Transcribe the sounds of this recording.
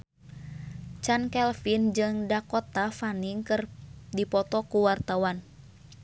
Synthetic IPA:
t͡ʃankɛlfind͡ʒɨŋdakɔt̪afaniŋkɨrdipɔt̪ɔkuwart̪awan

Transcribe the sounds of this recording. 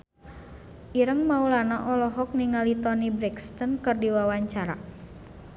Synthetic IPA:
ʔiɾəŋmaulanaʔɔlɔɦɔk̚niŋalit̪ɔnibɾɛkst̪ənkərdiwawaɲt͡ʃaɾa̰

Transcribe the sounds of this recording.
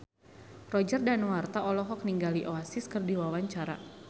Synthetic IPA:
rɔd͡ʒərdanwart̪aʔɔlɔɦɔk̚niŋɡaliʔoasiskərdiwawaɲt͡ʃaɾa̰

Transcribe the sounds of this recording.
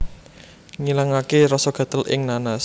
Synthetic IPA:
ŋilaŋakeɾɔsɔɡ̥a̤t̪əlʔɪ̰ŋnanas

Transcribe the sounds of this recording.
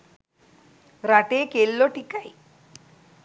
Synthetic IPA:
ɾaʈekelːɔʈikaj

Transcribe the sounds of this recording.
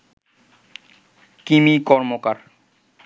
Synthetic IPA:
kimikɔɾmokaɾ

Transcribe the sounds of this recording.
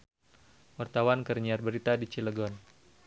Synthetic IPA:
wart̪awankərɲiarbəɾit̪adit͡ʃiləɡɔn

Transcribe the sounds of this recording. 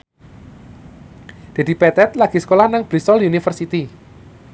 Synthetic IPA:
d̥a̤d̪ipɛt̪ɛt̪laɡ̥isə̥kolahnaŋb̥ɾisɔljunifərsit̪i

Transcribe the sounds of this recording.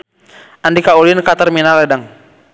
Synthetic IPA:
ʔandikaulinkat̪arminalɛdaŋ

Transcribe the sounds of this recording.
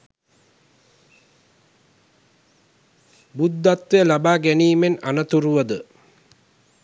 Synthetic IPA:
bud̪ːat̪ʋejəlabaːɡæniːmena̰nət̪uɾuʋəd̪ə

